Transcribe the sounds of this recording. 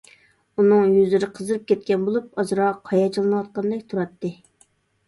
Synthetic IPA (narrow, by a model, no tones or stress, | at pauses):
unɨŋjyzɪɾɪqʰəzɨɾɨp̚kʲʰɛt̪̚kʲɛnbolˠup̚ɑzɾɑqʰɑjɑt͡ʃʰilˠɨnɨwɑt̪̚qɑnd̪ɛkʲt̪ʰuɾɑt̪ʰːɨ